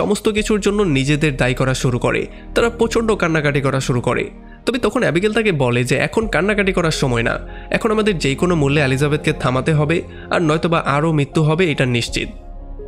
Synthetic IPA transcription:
ʃɔ̰most̪ok̬it͡ɕʰuɾd͡ʑonːonid͡ʑed̪eɾd̪ajkɔɾaʃuɾuko̰ɾḛ | t̪aɾapɾot͡ɕʰoɳɖokanːakaʈikɔɾaʃuɾuko̰ɾḛ | t̪ɔbet̪ɔkʰonɛbikelt̪akebɔled͡ʑeʔɛ̰kʰonkanːakaʈikɔɾaɾʃɔmɔena̰ | ɛ̰kʰonamad̪eɾd͡ʑejkonomulːeelizabed̪̚ket̪ʰamat̪eɦɔbe | a̰ɾnɔjt̪obaʔaɾomit̪ːuɦɔbeejʈaniʃt͡ɕḭt̪̚

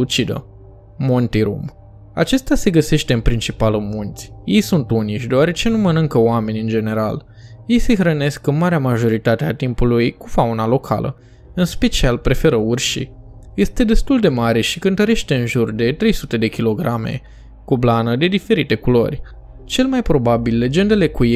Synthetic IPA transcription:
ut͡ʃid̪ə̰ | mont̪iɾṵm | a̰t͡ʃe̞st̪ease̞ɡəse̞ʃt̪e̞ɨnpɾint͡ʃipalumunt̪sʲje̞jsunt̪uniʃʲd̪eoaɾe̞t͡ʃe̞numənɨŋkəoame̞nʲɨnd͡ʒe̞ne̞ɾa̰l | je̞jsexɾəne̞skɨnmaɾeamaʒo̞ɾit̪at̪eat̪impulujkufaunalo̞kʰa̰lʔə̰ | ɨnspe̞t͡ʃialpɾe̞fe̞ɾəurʃḭ | je̞st̪e̞d̪e̞st̪uld̪e̞maɾe̞ʃikɨnt̪əɾe̞ʃt̪e̞ɨnʒurd̪e̞t̪ɾe̞jsut̪e̞d̪e̞kʲilo̞ɡɾamḛ | kublanəd̪e̞d̪ife̞ɾit̪e̞kulo̞̰rʲ | t͡ʃe̞lmajpɾo̞babilːe̞d͡ʒe̞nd̪e̞le̞kuje

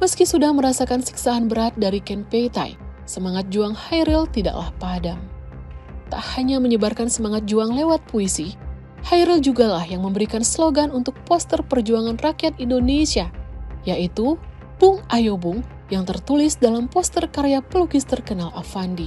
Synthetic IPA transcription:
məskisudahməɾasakansi̥ksaːnbəɾat̪̚daɾikɛnpejt̪a̰jsəmaŋat̪̚d͡ʒuaŋhajɾilt̪ida̰ʔla̰hpadam | t̪a̰ʔhaɲaməɲəbarkansəmaŋat̪̚d͡ʒuaŋlewat̪̚puisi | hajɾild͡ʒuɡalahjaŋməmbəɾikansloɡanunt̪ʊk̚pɔst̪ərpərd͡ʒuaŋanrakjat̪indonesiajaʔit̪u | b̥ʊŋʔajobuŋ | jaŋt̪ərt̪ulɪsdalampɔst̪ərkaɾeapəlukist̪ərkənalafandi

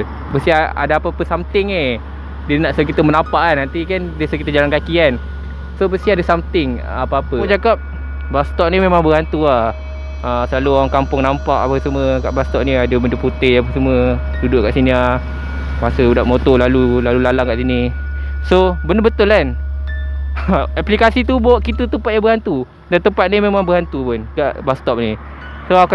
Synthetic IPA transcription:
bəsiaa̰daapaapəsamt̪ɪŋe | dənaʔsəkit̪əmənapaʔanant̪ikandəsəkit̪əd͡ʒalankakian | sobəst̪iadasamt̪ɪŋ | apaapəd͡ʒakap̚ | bast̪ɔʔ̚nimemaŋbəɣant̪uah | əsəlaluɣaŋkampʊŋnampaʔapəsəməka̰ʔbast̪ɔp̚niadəbəndəput̪eap̬əsəmə | dudʊʔkaʔsinia | masəudaʔmot̪olalulalulalaŋkaʔsini | sobəndəbət̪ʊlan | aplikasit̪ubɔʔkit̪ət̪əmpat̪̚jabəɦant̪u | dant̪əmpat̪̚nimemãŋbəhant̪upʊnkaʔbast̪ɔp̚ni | soak

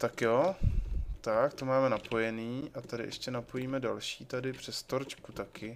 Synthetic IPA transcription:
t̪akjo | t̪akt̪o̞maːmɛnapo̞jɛniːʔat̪adɪ̰ʔɛ̰ʃcɛnapo̞jiːmɛdalʃiːt̪adɪpr̝̥ɛst̪o̞ɾt͡ʃkut̪akɪ

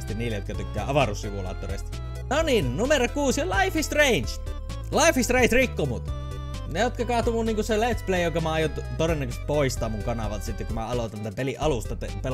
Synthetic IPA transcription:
st̪inniːlːejot̪kɑt̪ykːˑæ̰ːɑʋɑrussiʋulɑ̰ːt̪ːorḛˑist̪ɑ̥ | noninnumerokuːsjɑlɑifist̪reˑint͡ʃ | lɑˑifist̪reˑintrikːomut̪ | nejot̪kɑkɑht̪umunniːŋkuselet̪spleˑijjoŋkɑmɑɑjot̪t̪orenːækøst̪̚poist̪ɑːmuŋkɑnɑʋɑlt̪ɑsit̪ːekumæɑlot̪ɑnt̪æpeliʔɑlust̪ɑt̪epel

